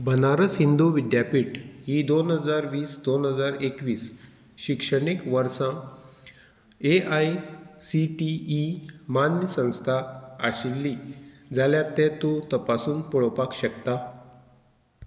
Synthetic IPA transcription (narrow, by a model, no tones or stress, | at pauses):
bʱənaɾəsɦind̪uʋid̪japiːʈɦid̪onɦəd͡zaɾʋiːsd̪onɦəd͡zaɾekʋiːs | ɕikʂəɳikʋəɾsã | eʔajsiʈiːmanjəsə̃w̃st̪ʰaəɕilːid͡zaljaɾt̪ɛ̃t̪ot̪əpasuːnpɔɭəpakɕəkt̪a